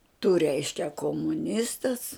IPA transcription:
tʊ ˈrʲɛɪʃʲkʲɛ koːmʊˈnʲɪstɐs

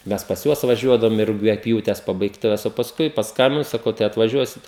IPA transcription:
ˈmʲɛs pɐs ˈjuɔs ʋɐˈʒʲuɔdɐʋʊm ɪ rʊɡʲɛˈpʲjuːtʲɛs pɐbɐɪkˈtʊʋʲɛs oː pɐsˈkʊɪ pɐsˈkɐmʲbʲɪnʊ sɐˈkɐʊ tɐɪ ɐtʋɐˈʒʲuɔsʲɪt

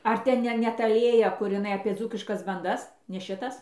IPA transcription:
ˈɐr tʲɛn ˈnʲɛ nʲɛ ˈtɐ ˈlʲeːjɛ kʊr ɪˈnɐɪ ɐpʲiɛ ˈd͡zuːkʲɪʃkɐs bɐnˈdɐs nʲɛ ˈʃʲɪtɐs

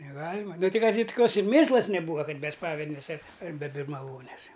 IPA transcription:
nʲɛˈɡɑːlʲɪmɐ ˈnʊ ˈtɐɪ ˈkɐt ɪr toːˈkʲoːs ɪr ˈmʲeːslˠɐs nʲɛˈbuːɐ ˈkɐt ˈmʲɛs ˈspɑːʋʲɛdʲnʲeːs ɐɪtʲ ɐr bʲɛ bʲɪrmɐˈʋoːnʲeːs ˈjɛʊ

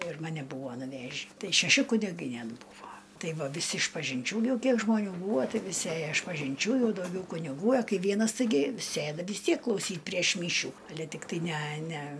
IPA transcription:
ɪr mɐˈnʲɛ ˈbuːʋoː nʊˈʋʲæːʒʲiː ˈtɐɪ ʃʲɛˈʃʲɪ kʊnʲɪˈɡɐɪ ˈnʲɛt ˈbuːʋoː ˈtɐɪ ˈʋɐ ʋʲɪˈsʲɪ ɪʃpɐʒʲɪnʲˈt͡ʃʲuː ˈjɛʊ ˈkʲiɛk ʒmoːˈnʲuː ˈbuːʋoː ˈtɐɪ ʋʲɪˈsʲɪ ˈeːjoː ɪʃpɐʒʲɪnʲˈt͡ʃʲuː ˈjɛʊ dɐʊˈɡʲɛʊ kʊnʲɪˈɡuː ɐ ˈkɐɪ ˈʋʲiɛnɐs tɐɪˈɡʲɪ ˈsʲeːdɐ ʋʲɪs ˈtʲiɛk klˠɐʊˈsʲiːtʲ pʲrʲiɛʃ ˈmʲiːʃʲuː ɐˈlʲɛ tʲɪkˈtɐɪ nʲæ nʲæ

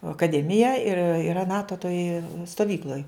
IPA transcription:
ɐkɐˈdʲæːmʲɪjɛ ɪr iːˈrɐ ˈnɑːtoː toːj stoːˈʋʲiːklˠoːj

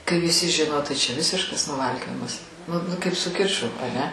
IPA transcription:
kɐɪ ʋʲɪˈsʲɪ ˈʒʲɪnoː tɐɪ t͡ʃʲɛ ˈʋʲɪsʲɪʃkɐs nʊˈʋɐlʲkʲoːjɪmɐs nʊ nʊ kɐɪp sʊ ˈkʲɪt͡ʃʊ ɐˈnʲɛ

